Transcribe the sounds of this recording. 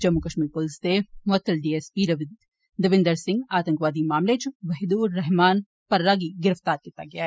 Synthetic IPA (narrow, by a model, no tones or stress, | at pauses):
d͡ʒɐmːukɐʃmiːɾpʊlɪsd̪emʊɐt̪ːəlɖiːeːspiːɾɐʋɪ | d̪ɐʋɪ̃nd̪əɾsɪ̃ŋɡaːt̪ə̃ŋkʋaːd̪imaːmlet͡ʃʋɐɦd̪uːɾːɛɦmaːn | pɐɾːaːɡiɡɪɾəft̪aːɾkiːt̪aɡɐjaːɦɛː